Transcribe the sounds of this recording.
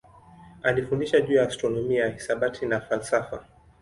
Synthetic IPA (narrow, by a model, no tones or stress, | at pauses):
alifundiʃaʄuːjaːstɾɔnɔmiajahisaɓatʰinafalsafa